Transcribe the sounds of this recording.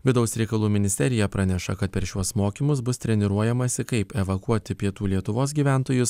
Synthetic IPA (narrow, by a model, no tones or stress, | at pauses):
ʋʲɪd̪ɐʊsɾʲɛɪkɐlˠuːmʲɪnʲɪsʲt̪ʲɛɾʲɪjɛpɾɑnʲɛʃɐkɐt̪̚pʲɛɾʃʲuɔsmoːkʲimʊs̬bʊst̪ʲɾʲɛnʲɪɾuɔjɛmɐsʲɪkɐɪpɛʋɐkuɔt̪ʲɪpʲiɛt̪uːlʲiɛt̪ʊʋoːs̬ɡʲiːʋʲæˑnt̪oːjʊs